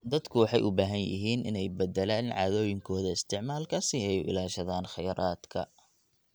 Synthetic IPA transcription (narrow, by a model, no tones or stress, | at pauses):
d̪ɐd̪kʰʊwɑħɑjʔʊbaːɦɐnjɪ̰ɦiːnʔɪnɛjbɐd̪ɛlaːnʕɑ̰ːðɔːjɪŋkʰɔːðɐɪst̪ʰɪʕmaːlkʰɐsiːɛjʊ̰ɪ̰laːʃɐðaːnχɑjɐɾaːd̪̥kʰɐ̰